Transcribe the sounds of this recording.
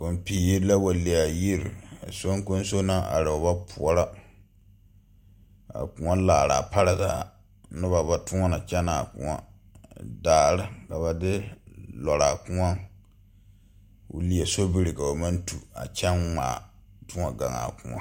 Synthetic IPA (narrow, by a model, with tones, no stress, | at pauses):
ko˨m˨piː˨ji˦ɾla˦wa˨li˨a˨ji˦ɾa̰˨so˦ŋ˦ko˦n˦so˦na˦ʔa̰˨ɾɨ˨ʊ˨ba˦pʰu˨ɔ˨ɾa˦ | a̰˨ku˨ŋa˦laː˨ɾa̰˨pa˦ɾa˦za˦˨ | nɨ˦ba˨ba˨tʊ˦ŋa˦na˨t͡ʃɛ˦na˨kʊ̰̃˨ŋa̰˦ | daː˨ɾɪ˦ka˨βa˨dɪ˦lɔ˨ɾa˨kʊ˦ŋa˦ | ʊ̰˦li˨ɛ˨so˦bi˦ɾɪ˨ka˨o˨ma˦ntu˨a̰˨t͡ʃɛ˦nmaː˨ | tʊ˦ŋa˨ɡa̰˨ŋa̰˨kʊ̰˨ŋa̰˦